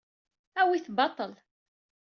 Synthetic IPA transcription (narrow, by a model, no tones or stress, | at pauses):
æwiθbɑt̪ˤːəl